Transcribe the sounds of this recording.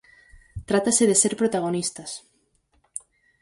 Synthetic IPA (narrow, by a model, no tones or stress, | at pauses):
t̪ɾat̪aseðeseɾpɾot̪aɣ̞onist̪as